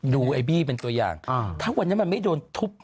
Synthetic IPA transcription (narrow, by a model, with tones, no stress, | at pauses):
duː˧ʔa˧jbiː˥˩p̬e˧nt̪u˧ɐja̰ː˨˩ŋ˧t̪ʰaː˦˥˩wa˧ni˦˥m˧nma˥˩jdoː˧nt̪ʰu˦˥p̚